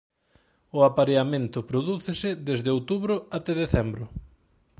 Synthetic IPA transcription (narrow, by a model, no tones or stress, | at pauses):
ʊapaɾeamẽnt̪ʊpɾoðuθɪsɪðezðɪowt̪uβɾʊat̪ɛðeθɛmbɾʊ